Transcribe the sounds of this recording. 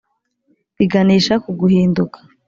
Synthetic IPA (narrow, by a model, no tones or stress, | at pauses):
βiɡaniːʃakuɡuhiːndukḁ